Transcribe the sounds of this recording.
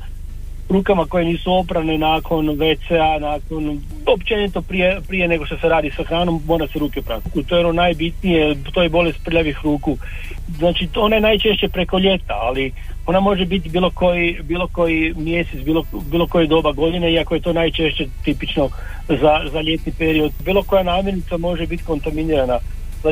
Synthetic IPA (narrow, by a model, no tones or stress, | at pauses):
ɾuːkamako̞je̞niːsuo̞pɾaʋne̞naːkʰo̞nʋet̪seanaːko̞n | opt͡ʃe̞nit̪opɾije̞pɾije̞ne̞ɡo̞ʃt̪oseɾaːd̪isaxɾaːno̞mːo̞ːɾaseɾuːkepɾa̰t̪ukut̪ojeononaːjbit̪nijet̪ojebo̞le̞st̪̚pɾ̩ʎaʋixɾuːku | znaːt͡ʃio̞najenaːjt͡ʃe̞ʃt͡ɕe̞pɾe̞ko̞ʎe̞t̪a̰ali | o̞namo̞ʒebit̪biːlˠo̞ko̞jibiːlˠo̞ko̞jimje̞sesbiːlobiːlo̞ko̞jed̪o̞baɡo̞d̪ineiakoje̞t̪o̞ːnajt͡ʃe̞ʃt͡ɕe̞t̪ipit͡ʃno̞zazaʎe̞t̪nipeɾio̞d̪biːlˠo̞ko̞janaːmje̞ɾnit̪samo̞ʒebit̪ko̞nt̪aminiɾana | za